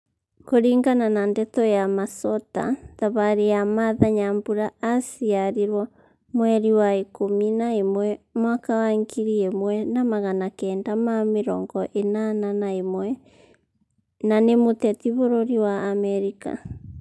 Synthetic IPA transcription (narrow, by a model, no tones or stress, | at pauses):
koɾiːŋɡananandɛtɔjamasɔta̰ðaβaɾejamaðaɲambuɾaasiaɾiɾwɔ | mwɛɾiwaekominaemwɛmwakawaŋɡiɾiemwɛnamaɣanakɛːndamameɾɔŋɡɔʔenananaemwɛ | nanemotɛtiβoɾoɾiwaːmɛɾika̰